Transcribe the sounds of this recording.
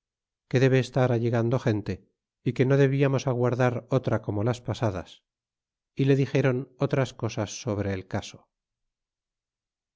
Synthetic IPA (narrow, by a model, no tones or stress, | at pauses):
ke̞ðe̞βe̞ːst̪aɾaʎeɣand̪o̞xe̞nt̪e̞ | ike̞no̞ðe̞βiamo̞saɣ̞waɾðaɾo̞t̪ɾako̞mo̞laspasaða̰s | ile̞ðixe̞ɾo̞no̞t̪ɾasko̞sasːo̞β̞ɾeːlkaso̥